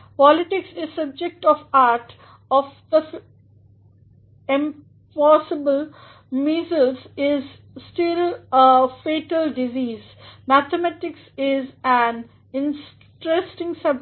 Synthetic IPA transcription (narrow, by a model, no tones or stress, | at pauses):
pɔlɪʈɪksɪzsʌb̚d͡ʒek̚ʈɔʋaːɾʈ | ɔfd̪ə | ɪ̃m | pɔːsɪbəl | mizəlsɪz | sʈɪl | feːʈəlɖɪziːz | mæt̪ʰəmæʈɪksɪzæ̃n | ɪ̃ns | ʈɾesʈɪ̃ŋsʌb̚